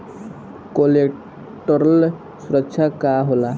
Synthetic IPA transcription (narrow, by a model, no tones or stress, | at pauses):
kole | ʈʌɾʌl | suɾʌkt͡ʃʰakaɦola